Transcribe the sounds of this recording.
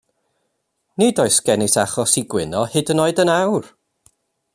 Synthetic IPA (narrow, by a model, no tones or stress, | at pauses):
nidɔɨsɡ̥ɛnɪsaχɔsiɡwɪnɔhɨdənoɨdənawr